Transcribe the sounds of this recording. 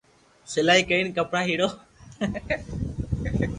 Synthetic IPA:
sɪlaːiːkəiːnkəpɳãːɦiːɽoː

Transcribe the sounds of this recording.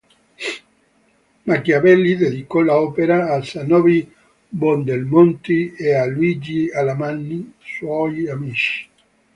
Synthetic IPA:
makjabɛlːid̪ed̪ikɔlaɔːpeɾaːlsanɔvi | bɔnd̪elmɔnt̪iealuid͡ʒialamanːiswɔjamit͡ʃi̥

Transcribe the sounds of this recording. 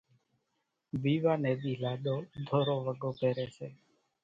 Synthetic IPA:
ʋiːʋaːneːd̪iːlaːɗ̪oːd̪ʱoːɾoːʋəɡoːpeːɾeːseː

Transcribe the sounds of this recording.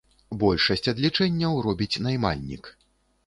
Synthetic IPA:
bɔlʲʂɐsʲt͡sʲɐd̪lʲit͡ʂɛnʲːɐwɾɔbʲit͡sʲnajma̰lʲnʲḭk

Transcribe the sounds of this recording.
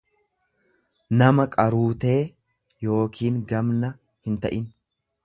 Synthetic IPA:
nɐmɐkʼɐɾuːt̪e̞ː | jo̞ːkʰiːŋɡɐmnɐ | hɪnt̪ɐ̰ʔɪn

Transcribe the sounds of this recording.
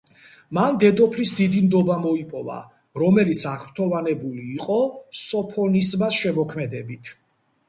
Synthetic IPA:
mand̪ɛd̪ʼɔpʰlisd̪id̪imd̪ɔbamɔipʼɔva̰ | ɾɔmɛlit̪sʰaʁɾt̪ʰɔvanɛbuliːqʼɔsɔpʰɔnismasʃɛmɔkʰmɛd̪ɛbit̪ʰ

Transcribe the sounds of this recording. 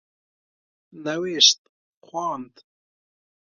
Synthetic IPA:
nɐweːʃt̪̚ | xwɑːnd̪

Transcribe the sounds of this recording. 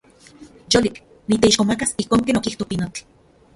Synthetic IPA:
jolik | nit̪eiʃkomakasihkoːŋkeːnokiht̪opinot͡ɬ

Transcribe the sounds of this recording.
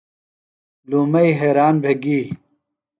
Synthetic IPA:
lumɐjɦeːɾaːnbʱeɡiː

